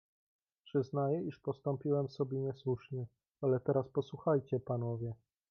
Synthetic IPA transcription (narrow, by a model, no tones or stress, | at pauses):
pʂɘznajɛiʂpɔst̪ɔmpʲiwɛmsɔbʲjɛɲɛswuʂɲɛ | alɛt̪ɛɾaspɔswuxajt͡ɕɛpanɔvʲjɛ